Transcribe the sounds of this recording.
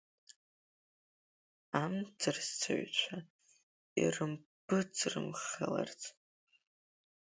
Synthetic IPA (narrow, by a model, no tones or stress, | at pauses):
amt͡sʰɨrst͡sʰa̰ɥt͡ʃʷʰa | ḭrɨmbɨt͡sʰʼrɨmχala̰rt͡sʼ